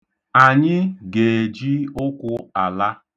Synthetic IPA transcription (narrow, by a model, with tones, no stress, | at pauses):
a˨ɲɪ˦ɡe˨d͡ʒi˦ʊ˦kʷʊ˦a˨la˦